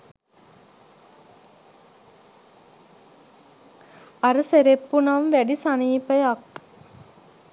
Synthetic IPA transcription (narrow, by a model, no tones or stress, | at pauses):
ɐɾɨseɾepːunɐmʋæɖisaniːpəjak